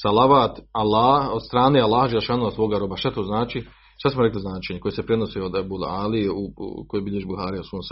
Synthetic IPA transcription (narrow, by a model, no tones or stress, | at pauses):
salaʋaːt̪alːaːhod̪st̪ɾaːneːalːaːhad͡ʒelːeʃaːnuhasʋoːɡaɾo̞baʃt̪at̪oːznaːt͡ʃi | ʃt̪asmoɾekliznaːt͡ʃeɲeko̞jesepɾeno̞seod̪abulaːlieukojebiʎeʒibuhaːɾijasuːns